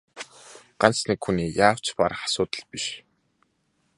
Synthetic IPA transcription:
ɢ̥ant͡snikxuniːjaːw̥t͡ɕpa̰ɾχḁsʊːt̪ə̆ɮpiʃ

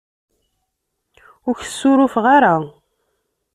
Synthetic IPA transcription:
ʊɾçə̥sːʊɾʊfʁaɾa

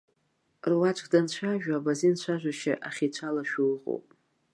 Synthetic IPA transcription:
rwat͡ʃʷʼkʼdant͡ɕʷʰaʒᶣaːbazint͡ɕʷʰaʒʷᶣaʃa̰ʔaχʲit͡ɕʷʰalaʃulqʼo̰wpʼ

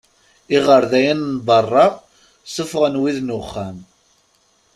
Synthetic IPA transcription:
iʁəɾðæjənːbɑrˤːɑ | səfʁənwiðnʊχːæm

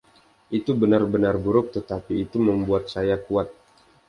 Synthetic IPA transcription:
ʔit̪ubənarbənarbuɾʊk̚t̪ət̪apiːt̪uməmbuat̪̚sajakuat̪̚

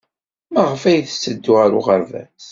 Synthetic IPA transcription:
məʁəfæjθəsːəd̪ːuʁəɾʊ̰ʁəɾvæ̰s

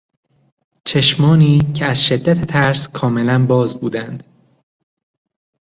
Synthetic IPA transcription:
t͡ʃʰe̞ʃmɒːniːcʰeæzʃe̞d̪ːæt̪ʰet̪ʰæɾskʰɒːme̞lænbɒːzbuːd̪ænd̪̥

